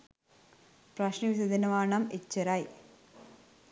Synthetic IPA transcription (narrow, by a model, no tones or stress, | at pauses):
prɐɕnɐʋisɐd̪inɐʋaːɳɐmet͡ɕːɐɾaːj